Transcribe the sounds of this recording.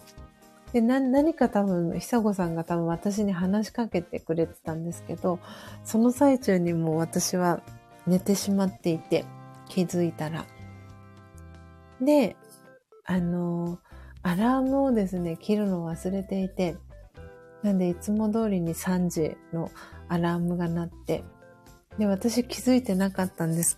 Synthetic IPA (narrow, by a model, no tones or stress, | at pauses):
d̪̥e̞nanaɲ̟ikat̪abɯ̟̃ɴçi̥saɡo̞sãŋɡat̪abɯ̟̃ɰ̃at̪aɕ̬iɲ̟iɦanaɕi̥kake̞t̪e̞kɯ̟ɾe̞t̪e̥t̪ãnd̪e̞sɨ̥ke̞d̪o̞so̞no̞sait͡ɕɨːɲ̟imo̞ːβ̞at̪aɕiβa | ne̞t̪e̞ɕimat̪ːe̞it̪e̞kʲʰizɨit̪aɾa̰ | d̪e̞ | ano̞ | aɾaːmɯ̟o̞d̪e̞sɨne̞kʲiɾɯ̟no̞β̞asɨɾe̞t̪e̞it̪e̞ | nand̪e̞it͡sɨmo̞d̪o̞ːɾʲiɲ̟isãɲd͡ʑḭno̞aɾaːmɯ̟ɡanat̪ːe̞ | d̪e̞βat̪aɕikʲizɨit̪e̞nakat̪ːãnd̪e̞sɨ̥